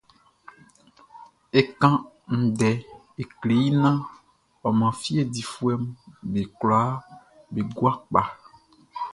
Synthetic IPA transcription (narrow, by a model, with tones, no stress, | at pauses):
e˦˨kã˦ | ŋ̩̃˨ɖɛ˨ | e˨kle˨ji˦nã˦ | a˨mã˨fi˦e˦˨di˨fu˦ɛ˦mbe˨kla˦ | be˨ɡu˦a˦k͡pa˨